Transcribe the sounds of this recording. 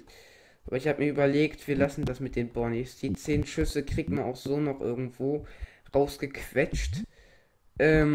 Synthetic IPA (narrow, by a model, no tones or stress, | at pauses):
ʔaːbɐɪçhaːbəmiːɐʔyːbɐleːktv̥iːɐlasn̩dasmɪt̚d̥eːnbɔɐnisd̥iːt͡seːnʃʏsəkʁ̥iːk̚tmana̰ʊxz̥oːnɔχʔɪ̰ɐɡŋ̩tv̥oː | ʁaʊsɡ̥əkʰv̥ɛt͡ʃt | ʔɛːm